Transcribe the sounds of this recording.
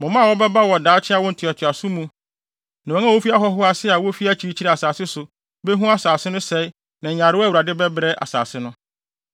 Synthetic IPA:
mʊ̃˨mã˦˨wɔ˦bɛ˦ba˦wɔ˨daː˨˦t͡ɕʰɪ˦a˦wɔ˦n̩˨tʰɪ˨ɔ˨tʰɪ˨a˨sʊ˦mũ˨˦ | nã˨ɛ̃˨˦ã˦˨wo˦fi˦a˦ɦɔ˦ɦʊ˦a˦sɪ˦a˨wɔ˦fi˦a˦t͡ɕʰi˨ɾi˦t͡ɕʰi˦ɛ˨a˨saː˨sɪ˦sʊ˨ | bɛ˦ɦũ˦a˨saː˨sɪ˦nʊ̃˦sɛ˨˦ɪ˦ | nã˨ɲ˨ã˨ɾɪ˦æ˦˨u˨ɾa˨dɪ˦bɛ˦bɾɛ˦ʔa̰˨sa̰ː˨sɪ˦nʊ̃˦

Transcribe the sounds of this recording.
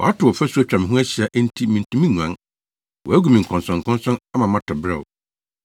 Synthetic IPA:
wɔ̰˨a˦tʰʊ˨wɔ˨fæ˦su˦æ˦t͡ɕᶣɾã˨mɪ̃˨ɦũ˦æ˦ɕi˨a˦ʔn̩˦tʰi˦mĩ˨n̩˨tʰũ˨mĩ˦ɲ˨ã̰˦n | wɔ̰˨æ˦ɡu˨mĩ˨ŋ̩˨kʰɔ̃˨n˨sɔ̃˨ŋ̩˨kʰɔ̃˦n˦sɔ̃˦na˦mã˨mã˦tʰɔ˨bɾɛ˨

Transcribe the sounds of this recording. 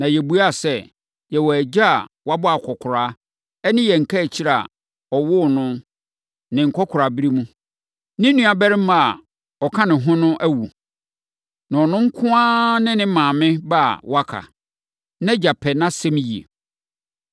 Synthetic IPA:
nã˨jɛ˨bu˨a˦˨sɛ˦ | jɛ˨wɔ˨æ˨d͡ʑa˦a̰˨wa˦bʊ˦a˨kʰɔ˨kʰʊ˨ɾaː˦ | ɛ˦nɪ̃˦jɛ˨ŋ̩˨kʰæ˦˨t͡ɕʰi˦ɾa˨a̰˨ | ɔ˨wʊ˦˨nʊ̃˦ | nɪ̃˨ŋ̩˨kʰɔ˦kʰʊ˨ɾa˨bi˦ɾi˦mũ˦ | nɪ̃˦nũ˦a˨bɛ˦ɾɪ̃˦mã˨a˨ | ɔ˨kʰã˦nɪ̃˨ɦʊ̃˦nʊ̃˦ʔæ˦wu˨ | nã˨ɔ˨nʊ̃˦ŋ̩˦kʰʊ̃˦ã˦nɪ̃˦nɪ̃˦mãː˨mɪ̃˦ba̰˦˨wa˦kʰa̰˨ | nɛ̃˦d͡ʑa˨pʰɛ˨nã˦sɛ̃˦mji˨ḛ˨

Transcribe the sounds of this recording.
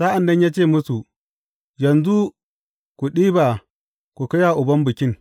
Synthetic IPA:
sa˦ʔa˨ndɐ˦ɲja˦t͡ʃeː˦˨mʊ˦su˨ | jɐ˨nzu˦ | ku˨ɗiː˦ba˨ | ku˨kɐ˦ja˨ʔʊ˨bɐ˦mbɨ˨kʲɪ˦n

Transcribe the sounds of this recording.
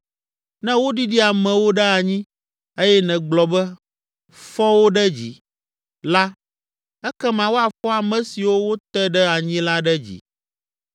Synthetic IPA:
nɛ̃˦wo˦ɖi˦ɖi˦a˨mɛ̃˨wo˦ɖɛ˦a˨ɲĩ˦ | e˦jɛ˦nɛ̃˨ɡ͡blɔ˨bɛ˦ | fɔ˦wo˦ɖɛ˦d͡ʑḭ˨ | la˦ | ɛ˦kɛ˦mã˨wo˦a˨fɔ˦a˨mɛ̃˨si˨wo˦wo˦t̪ɛ˦ɖɛ˦a˨ɲĩ˦la˦ɖɛ˦d͡ʑḭ˨

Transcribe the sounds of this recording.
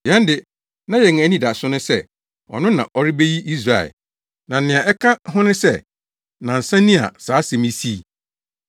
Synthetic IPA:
jɛ̃˦n˦dɪ˨ | nã˦jɛ˨ŋ˨˦nĩ˦da˨sʊ˦nʊ̃˦sɛ˦ | ɔ̰˨nʊ̃˦nã̰˨ʔɔ˦ɾɪ˦be˦ji˦ʔi˦s̬ɾa˨ɛ̰˨ | nã˨n̩˨nɪ̃˨a˨ʔɛ˦kʰã˦ɦʊ̃˦nʊ̃˦sɛ˦˨ | nã˨n̩˨sã˦nĩ˦a̰˨saː˨˦sɛ˨mĩ˦si˦˨

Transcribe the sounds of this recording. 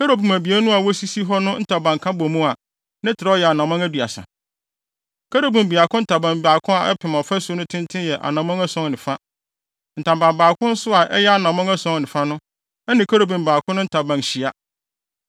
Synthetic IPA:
kʰa˦ɾo˦bũ˨mæ˨bi˨æ˦nʊ̃˦a˨wɔ˦si˦si˦ɦɔ˦nʊ̃˦n̩˦tʰa˨bã˨ŋ˨kʰã˦bo˨mũ˦a˨ | nã˦tʰɪ˨ɾa˨˦ɔ˦jɛ˨a˨nã˨mã˦ŋæ˦du˨a̰˨sã̰˨ | kʰa˦ɾo˦bũ˨m˨bi˨a˨kʰʊ̃˦n̩˦tʰa˨bã˨m˨ba˨kʰʊ̃˦a˨ʔɛ˦pʰɪ̃˨m˨ɔ̃˨fa˦sʊ˦nʊ̃˦tʰɪ̃˦n˦tʰɪ̃˦jɛ˨ʔa̰˨nã˨mã˦ŋa˦sɔ̃˦ŋnɪ̃˨fa˦ | n̩˨tʰã˨bã˨mbaː˨kʰʊ̃˦n̩˦sʊ˦a˨ʔɛ˦jɛ˦a˨nã˨mã˦ŋa˦sɔ̃˦ŋnɪ̃˨fa˦nʊ̃˦ | ɛ˦nɪ̃˨kʰa˦ɾo˨bũ˨m˨baː˨kʰʊ̃˦nʊ̃˦tʰa˨bã˨n˨ɕi˨a˦

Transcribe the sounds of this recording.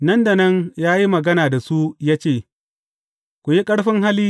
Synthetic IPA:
nɐ˦nda˨nɐ˦ŋjaː˦ji˦mɐ˨ɡɐ˦naː˨da˨su˦jaː˦t͡ʃeː˦˨ | kʷu˨ji˦kʼɐ˦ɽɸɪ˦ŋɦa˦liː˦

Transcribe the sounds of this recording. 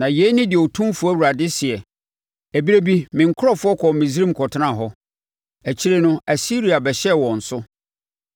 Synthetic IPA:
nã˨je˨˦nɪ̃˦dɪ˨ɔ˨tʰũ˦fʊ˨˦æ˦˨wu˨ɾa˨dɪ˦sɪ˨ɛ˨ | æ˨bi˦ɾe˦bi˦mɪ̃˨ŋ̩˨kʰʊ˦ɾɔ˦fʊ˦ɔ˦kʰɔ˨mɪ̃˨zɾĩ˦m˨kʰɔ˨tʰɪ˦nã˦˨ɦɔ˦ | æ˨t͡ɕʰi˦ɾe˦nʊ̃˦æ˨si˦ɾi˨a˨bɛ˨ɕɛ˦˨wɔ̃˨n̩˨sʊ˦

